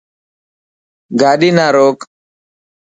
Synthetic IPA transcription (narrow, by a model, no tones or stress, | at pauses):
ɡaːɗinaːɾoːk